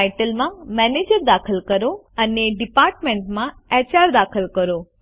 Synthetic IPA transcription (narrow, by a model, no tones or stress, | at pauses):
jʈəlmãmɛned͡ʑəɾd̪akʰəlkəɾo | əneɖipaɾʈmẽɳʈmãɛt͡ɕaɾd̪akʰəlkəɾo